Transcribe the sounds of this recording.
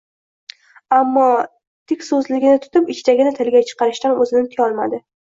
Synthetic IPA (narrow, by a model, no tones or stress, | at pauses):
amːɒ | t̪ʰɪkʲsɵzlɪɡʲɪnɪt̪ʰʊ̥t̪ɪpɪt͡ʃt̪ʰaɡʲɪnɪt̪ʰɪlɡʲat͡ʃʰɨ̥qʰɑɾɪʃt̪anɵzɪnɪt̪ʰɪɒlˠmad̪ɪ